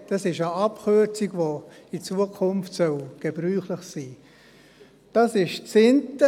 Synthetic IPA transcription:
d̥ɑsɪʃəɑpχøt͡siɡʋo | it͡suːəkʰʊmftsœlɡ̥eb̥ɾyːχləχsiː | d̥ɑsɪʃt͡sɪntə

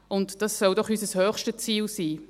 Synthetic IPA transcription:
ʊntd̥ɑsːɔldɔχysəshœːχʃtət͡siːlsiː

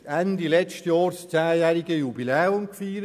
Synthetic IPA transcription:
ændilɛt͡ʃtjɑːɾst͡sæːjæɾiɡəjubilɛːʊmkfiːɾə

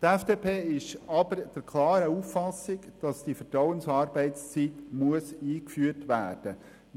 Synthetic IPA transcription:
t̪æfd̥eːpʰeːɪʃɑbəɾd̥əɾkʰlˠɑːɾəuːfːɑsɪɡd̥ɑsd̥ifəɾtɾawənsɑːɾbɛɪtst͡sit̪muəsiːkfyːərtʋæːrd̥ə

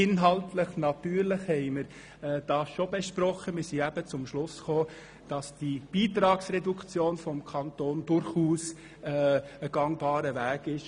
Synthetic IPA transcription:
ɪnɦɑltləχnɑt̪yːɾləχhɛɪməɾ | ɛd̥ɑːsʃobeʃpɾɔχəmɪɾsiæbət͡sʊmʃlʊsχoː | d̥ɑsd̥ib̥iːt̪ɾɑːksrɛdukt͡sjoːnfɔmkʰɑntoːnd̥ʊɾχuːs | əɡ̥ɑŋbɑːɾəvæːɡ̥ɪʃ

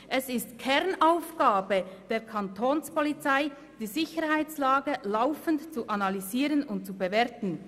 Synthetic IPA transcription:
ʔɛsɪstkʰɛʁnaʊfɡ̥aːbəd̥eːɾkʰantʰoːnspɔlit͡saɪ | d̥iːzɪçəɾhaɪt͡slaːɡəlaʊfəntt͡suʔanaliziːʁənʊnt̚t͡subəvɛɐtn̩

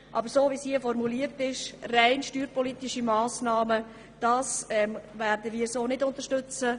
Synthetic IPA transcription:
ʔɑ̰bəɾsoːʋisiəfɔrmuliːəɾtɪʃraɪnʃtyːɾpɔlitɪʃimɑːsnɑːmə | d̥ɑːsɛmvɛːɾdəviːɾsoːnɪdʊnt̪əɾʃtʏt͡sə

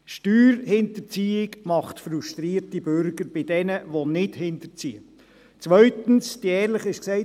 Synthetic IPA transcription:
ʃtyːɾhɪntəɾt͡siːɪɡmɑχtfɾuʃtɾiːɾtibøɾɡəɾb̥ɪdɛnəʋonɪdhɪnt̪ət͡siːə | t͡sʋœɥtən̩sd̥iɛːɾləχɪʃksɛɪ

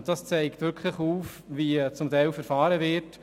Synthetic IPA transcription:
d̥ɑst͡sɛɪktʋʏɾkʰχləχuːf | ʋit͡sʊmtɛɪlfɛɾfɑːɾəʋɪɾt

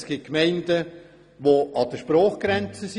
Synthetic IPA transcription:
sɡ̥it̚kmɛɪndə | ʋoʔɑd̥əʃpɾɔːχɡ̥ɾɛnt͡səs

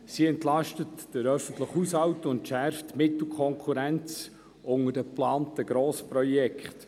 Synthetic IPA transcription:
siɛntlɑʃtətd̥əɾœfəntləχhushɑwtəʊntʃærftmɪtl̩ˠkʰɔŋkʰuɾænt͡s | ʔʊŋəd̥əplɑːntəɡ̥ɾɔːspɾɔjɛkχt

